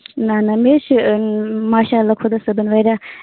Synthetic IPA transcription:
nɐnɐmeʃ | maːʃaːɐlːaːkʰʊd̪ɐsɐbɐnʋɐɾa

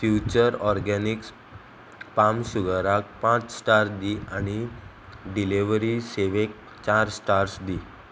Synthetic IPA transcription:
fjut͡ɕəɾɔɾɡaniks | pamsuɡəɾak̚pãt͡ssʈaɾsd̪iʔañi | ɖiliʋɾiseʋek̚ | t͡ɕaɾsʈaɾsd̪i

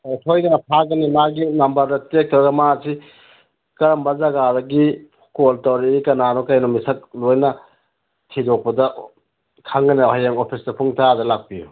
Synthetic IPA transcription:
tʰojdɐnɐpʰakɡɐnimaɡinɐmbɐɾdɐtek̚tʰɾɐɡɐmasi | kɐɾɐmbɐzɐɡadɐɡi | koltɐwɾiikɐnanokajnomisɐk̚lojnɐ | tʰidok̚pɐdɐ | kʰaŋɡɐnɐɦajeŋopʰisdɐpʰuŋtʰadɐlak̚piju

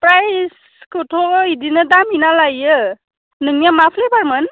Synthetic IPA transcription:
pɾajs | kɯtʰɔidinɯdaminalajɯ | nɯŋjamapʰlejbaɾmɯn

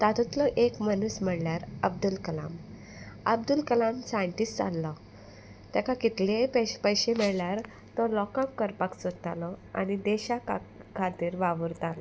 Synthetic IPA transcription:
t̪at̪ut̪lɔʔekmənusm̤əɽljaɾəb̚d̪ulkəla̰m | əb̚d̪ulkəlamsajəɳʈista̰lːɔ | t̪ɛkakit̪leppəjɕem̤ɛɭljaɾ | t̪ɔlɔkãkːəɾpaksod̪t̪alɔa̰ñid̪eɕakkʰat̪iːɾʋaʋəɾt̪alɔ

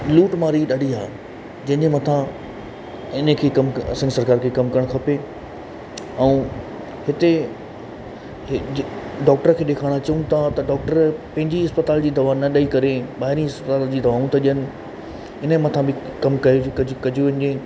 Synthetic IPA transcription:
luːʈmaːɾiɗaɽiaː | d͡ʑɐ̃ɦɪ̃ɲemɐ̃t̪ʰã | ɪnəkʰeːkɐmɐ̰sə̃nsɐɾkaːɾkʰekɐmkɐɾəɽ̃kʰɐpe | ɛũ | hɪt̪e | ɖɔːk̚ʈəɾkʰeːɗeːkʰaːɽ̃at͡ɕɐũt̪ʰãt̪ɐɖɔːk̚ʈəɾpɐ̃ɦɪ̃ɲd͡ʑiɪspɐt̪aːld͡ʑiːd̪ɐʋaːnɐɗaikɐɾeɓaːɦɪɾĩɪspət̪aːld͡ʑiːd̪ɐʋaːũt̪ʰaɗijənɪ̆ | ɪnəmɐ̃t̪ʰãbɪkɐmkɐjoɐkɐd͡ʑʱoʋɐ̃n̆d͡ʑẽː

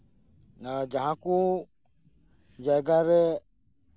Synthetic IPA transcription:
nad͡ʒaɦãku | d͡ʒaɡaɾɛ

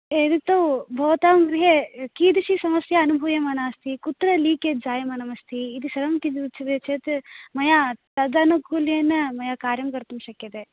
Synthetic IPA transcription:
eːd̪it̪ːɐwbʱɐʋɐt̪aːmɡɾiɦekiːd̪iʃisɐmɐsjɐːnubʱuʋjɐmɐnaːst̪ʰikut̪ɾɐliːked͡ʒaːjɐmɐnɐmɐst̪ʰiːd̪isɐɾɐmt̪id͡ʒ̪iut̪ːt͡ʃʰɐd̪et͡ʃʰet̪mɐjat̪ɐd͡ʒaːnɐkuːlijɐnːɐmɐjakaːɾjɐmkɐɾt̪umʃɐkːɐd̪e

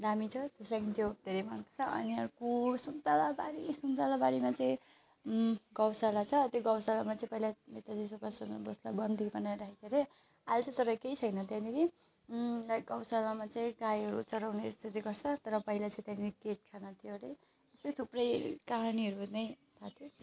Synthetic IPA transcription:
damit͡sʰʌt̪eslakint̪ʰjod̪ʱeɾejmanpt͡sʰʌʔʌ̰niʌɾkosunt̪alabaɾisunt̪alabaɾimat͡saĩ | ɡʌwsalat͡sʰʌt̪joɡʌwsalamat͡sãĩpʌɦilaet̪ad̪isʌpasʌnboslabʌnd̪ʱibʌnaɾaɦit͡sʰʌɾe | alt͡sʰʌt͡sʌɾʌkejt͡sʰʌjnʌt̪janiɾi | laɡʌwsalamat͡saĩɡajɦʌɾut͡sʌɾawnest̪ʰit̪iɡʌrt͡sʰʌt̪ʌɾʌpʌɦilat͡sãĩt̪janiɾiket̪̚kʰanʌt̪ʰjoɾe | esʌjt̪ʰuprʌjkaɦaniɦʌɾunʌj̃ | t̪ʰat̪ʰjo

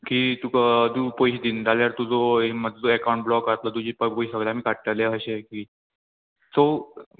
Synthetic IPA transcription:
kiːt̪ukd̪upojɕd̪iːnd͡zaljaɾt̪ud͡zoeməd͡zd͡zoɛkawũɳʈ̚blɔkat̪lət̪ud͡ʑiːpəpojsəɡɭeam̤iːkaʈʈaleɦəɕekiː | so

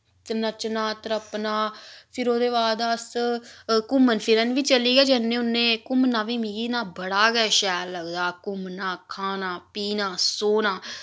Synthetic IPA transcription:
t̪ənət͡ʃnaːt̪əɾəpnaːpʰɪɾoːd̪eːβaːd̪əs | kʊmənpʰɪɾənʋiːt͡ʃəliːɡɛːd͡ʒənːẽːʊnẽːkʊmnaːʋiːmĩːɡiːnaːbəɽaːɡɛːʃɛːlːəɡd̪aːkʊmnaːkʰaːnaːpiːnaːsoːnaː

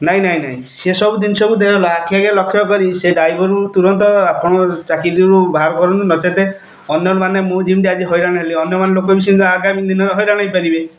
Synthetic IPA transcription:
naɦĩnaɦĩnaɦĩsesɔbud̪inɔsɔbud̪eɦɔlaːkʰːiakelɔkʰːjɔkɔɾiseɖajbɔɾut̪uɾɔnt̪ɔapɔɽ̃ɔt͡ʃakiɾiɾubʱaɾɔkɔɾɔnunɔt͡ʃat̪e | ɔnjɔnmanemũd͡ʒimnt̪̬iad͡ʒiɦɔjɾaɽ̃aeliɔnjɔmanelokɔbis̬inaɡamid̪inɔɾeɦɔjɾaɽ̃aĩpaɾibe

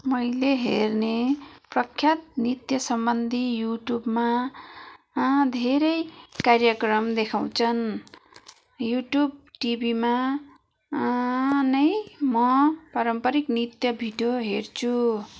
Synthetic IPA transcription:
mʌjleɦerneprʌkʰːjat̪̚nit̪jʌsʌmbʌnd̪ʱijuʈjubma | d̪ʱeɾʌjkarjʌkrʌmd̪ekʰaw̃t͡sʰʌn | juʈjub̚ʈibʱima | nʌjmʌpʌɾʌmpʌɾiknit̪jʌbʱiɖjoɦert͡sʰu

